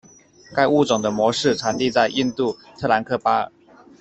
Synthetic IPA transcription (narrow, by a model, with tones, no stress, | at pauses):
ka˥˧ɪu˥˩ʈ͡ʂʊ˨˩ŋd̪ə˦mwɔ˧˥ʂɻ̩˥˩ʈ͡ʂʰa˧˥nt̪i˥˧t͡sa˥˧ɪʔi˥˧nt̪u˥˩t̪ʰɤ˥˩˨la˧˥nkʰɤ˥˧˩pa̰˥˨˩